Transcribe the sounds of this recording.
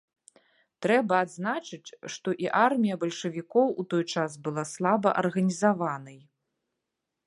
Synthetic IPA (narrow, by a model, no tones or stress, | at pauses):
t̪ɾɛbɐad̪znat͡ʂɨt͡sʲʂt̪ɔʔiʔarmʲijɐbɐlʲʂɐvʲikɔwut̪ɔjt͡ʂasbɨlˠaslˠabɐ̰ʔɐrɣɐnʲizavanɐj